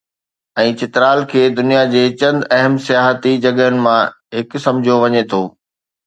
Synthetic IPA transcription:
ɛ̃ːt͡ɕɪt̪ɾaːlkʰeːd̪ʊnijad͡ʑeːt͡ɕɐ̃nd̪ɐɦəmsijaːɦət̪id͡ʑɐɡənɪ̆mã | ɦɪksɐ̃md͡ʑʱoʋɐɲet̪ʰoː

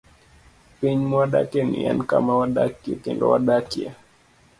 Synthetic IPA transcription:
piɲmaɗa̰kɛnḭa̰nka̰mawaɗakiɛkɛndɔ̰waɗakia

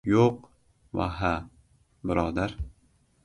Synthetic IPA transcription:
joq | va̰ɦa | bɪɾɒːd̪aɾ

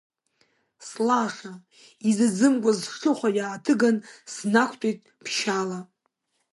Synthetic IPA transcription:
slaχʲa | izɨd͡zɨmkʷʼazʃʲɨχʷajaːtʰɨɡansnakʷʰtʷʼejtʼ | pʰʃala

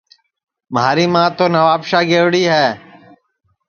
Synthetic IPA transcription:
mɦaːɾiːmãːt̪oːnəʋaːpʃaːɡeːʋɽiːɦɛː

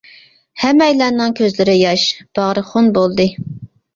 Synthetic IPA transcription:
hɛmɛjlænɨŋkʲʰøzlɪɾɪjɑʃb̥ɑʁɾɨχonbolˠd̪ɨ

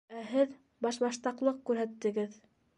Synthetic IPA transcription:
æɦɘð | bɑʃbɑʃt̪ɑqlˠɤq̚kʉɾɦæt̪ːɘ̆ɡɘð

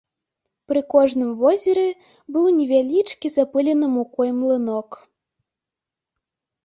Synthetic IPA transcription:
pɾɨkɔʐnɨmvɔzʲɛɾɛ | bɨwˠnʲɛvʲalʲit͡ʂkʲizapɨlʲɛnɨmukɔjmlˠɨnɔk

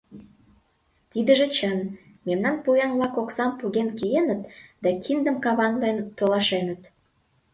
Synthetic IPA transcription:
t̪id̪əʒĕt͡ɕən | memnɑnpujɑnβlɑkoksɑmpuɣenkijenət̪d̪ɑkʰind̪ə̆mkɑβɑnlent̪olɑʃenət̪

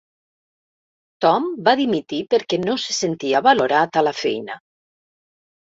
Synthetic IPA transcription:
t̪ɔmbaðimit̪ipeɾkɛnose̥sent̪iaβaloɾat̪alafɛ̰jna

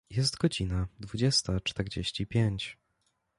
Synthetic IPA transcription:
jɛst̪ɡɔd͡ʑinad̪vud͡ʑɛst̪at͡ʂt̪ɛɾd͡ʑḛɕt͡ɕipʲjeɲt͡ɕ

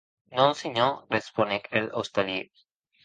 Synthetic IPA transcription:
nõnsiɲoɾesponekelost̪ali

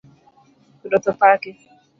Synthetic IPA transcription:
kʊdɔtʊpakɪ

